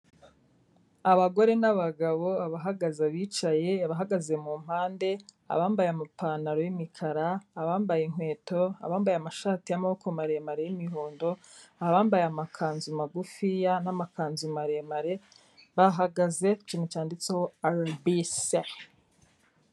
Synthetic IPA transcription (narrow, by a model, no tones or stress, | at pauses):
aβaɡo̞ɾe̞naβaɡaβo̞aβaɦaɡazaβiːt͡ʃaje̞aβaɦaɡaze̞muːm̥haːnde̞ | a̰βaːmbajamupaːnaɾojimikʰaɾaːβaːmbajeŋwe̞ːto̞a̰βaːmbajamaʃaːtijamaβokomaɾemaɾejimiɦoːndo̞ | aβaːmbajamakʰaːnzumaɡufijanamakaːnzumaɾe̞maɾe̞ | βaɦaɡaze̞t͡ʃinut͡ʃaːndit͡seoaɾbise